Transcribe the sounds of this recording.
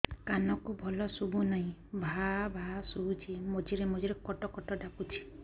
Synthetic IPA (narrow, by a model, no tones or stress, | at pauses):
kanɔkubʱɔlɔsubunaɦĩbʱabʱasubut͡ʃʰimod͡ʒiɾemod͡ʒiɾekɔʈɔkɔʈɔɖakut͡ʃʰi̥